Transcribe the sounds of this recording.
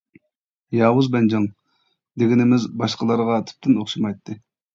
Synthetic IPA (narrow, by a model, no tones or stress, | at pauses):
jɑːwuzbɛnd͡ʒɑŋ | d̪eɡʲinɪmɪzbɑʃqəlˠɑɾʁɑt̪ʰy̥p̚t̪ʰɪnoχʃɑmɑjt̪ʰːɨ